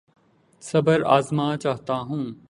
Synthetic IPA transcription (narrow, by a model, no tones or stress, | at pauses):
sɐbəɾa̰ːzmaːt͡ʃaːɦt̪aːɦũː